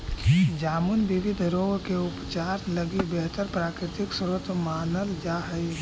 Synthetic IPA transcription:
d͡ʒaːmʊnʋɪʋɪd̪ʱɾoːɡkeʊpt͡ʃaːɾləɡibɛɦt̪əɾpɾaːkɾɪt̪ɪksʊɾət̪ʰmaːnəld͡ʒaːɦəi

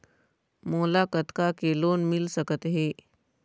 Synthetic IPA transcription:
molakət̪kakelonmilsəkət̪ɦe

